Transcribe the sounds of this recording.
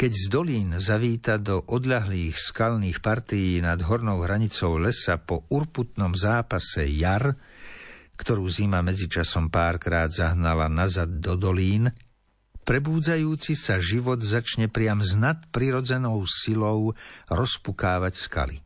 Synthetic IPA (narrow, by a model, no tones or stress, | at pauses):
kɛɟzd̪ɔliːnzaʋiːt̪ad̪ɔʔɔd̪ʎaɦliːxskaʎniːxpaɾt̪ijiːnad̪ɦɔɾnɔʊɦɾaɲit͡sɔʊlɛsapɔuɾput̪nɔmzaːpasɛ̰jaɾ | kt̪ɔɾuːzimamɛd͡zit͡ʃasɔmpaːɾkɾaːd̪zaɦnalanazad̪̚ːɔd̪ɔliːn | pɾɛbuːd͡zajuːt͡sisaʒiʋɔd̪zat͡ʃɲɛpɾɪamznat̪pɾiɾɔd͡zɛnɔʊsilɔʊɾɔspukaːʋacska̰lḭ